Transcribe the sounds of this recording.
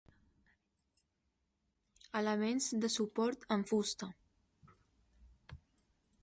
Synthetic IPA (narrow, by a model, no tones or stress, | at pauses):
ələmenzd̪əsupɔɾt̪əɱfust̪ə